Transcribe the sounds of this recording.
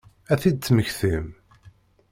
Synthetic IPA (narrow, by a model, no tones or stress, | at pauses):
æθid̪̚t͡sːməçθim